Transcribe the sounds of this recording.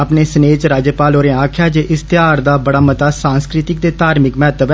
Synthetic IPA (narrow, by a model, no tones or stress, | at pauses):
əpneːsəneːt͡ʃɾaːd͡ʒəpaːloːɾẽːaːkʰjaːd͡ʒeːʔɪst̪ɪaːɾd̪aːbəɽaːmət̪aːsãːnskɾɪt̪ɪk̚d̪eːt̪aːɾmɪkmɛːt̪əb